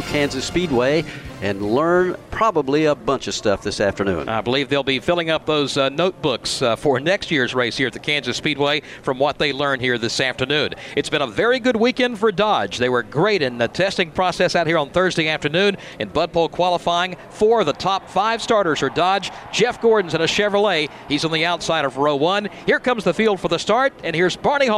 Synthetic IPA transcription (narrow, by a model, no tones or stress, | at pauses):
kʰæ̃nzɨspid̚weɪɨ̃nlɜ̃˞npʰɹ̥ɑbəbliəbʌ̃nt͡ʃʌv̥stʌfðɪsæftə˞nʉ̰̃na̰ɪbəlivðeɪlˠbifɪlˠɪ̃ŋʌp̚ðoʊznoʊt̚b̥ʊksfə˞nɛkstjɪɹzɹeɪshiɹɨt̪̚ðɨkʰæ̃nzɨspid̚weɪ | fɹʌ̃mwʌt̪̚ðeɪlɜ̃˞nhiɹðɪsæftə˞nʉ̃nɨtsb̥ɨ̃nəvɛɹiɡʊd̚wikɛ̃nd̥fə˞dɑ̥d͡ʒðeɪwə˞ɡɹeɪɾɨ̃nɨtʰɛstɪ̃ŋpʰɹ̥ɔsɛsaʊt̚hiɹə̃nθɜ˞zdeɪæftə˞nʉ̃n | ɨ̃nbʌd̚pʰɔlˠkʰw̥ɑlˠəfaɪɪ̃ŋ | fɔ˞ðətʰɑpfaɪv̥stɑɹɾə˞z̥ə˞dɑd͡ʒd͡ʒɛfɡ̥ɔɹdⁿn̩zɨ̃nɨʃɛvəl̩ˠeɪ | izn̩ðiaʊtsaɪɾʌvɹoʊwʌ̃nhiɪɹkʰʌ̃mzðɨfilˠd̥fə˞ðəstɑɹɾɨ̃nhiɹzbɑɹni